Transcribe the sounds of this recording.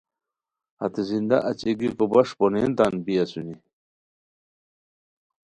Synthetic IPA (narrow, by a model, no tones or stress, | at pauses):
a̰t̪ezind̪a̰ʔɐt͡ɕeɡikobɐʂponent̪anbijasuni